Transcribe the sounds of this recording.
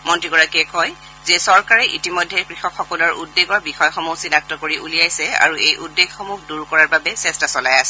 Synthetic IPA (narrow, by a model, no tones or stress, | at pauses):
mɔntɹiɡɔɹakɛkɔj | zɛsɔɹkaɹɛʔitimɔjdʱːɛkɹixɔkxɔkɔlɔɹʔudːeɡɔɹbixɔjxɔmusinak̚tɔkoɹiʔulijajsɛa̰ɹuejʔudːeɡxɔmuxduɹkɔɹaɹbabɛsɛstasɔlajasɛ